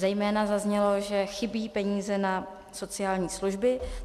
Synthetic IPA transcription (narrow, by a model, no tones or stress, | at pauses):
zɛjmɛːnazazɲɛlo̞ʒɛxɪbiːpɛɲiːzɛna | so̞t͡sɪaːlɲiːsluʒbɪ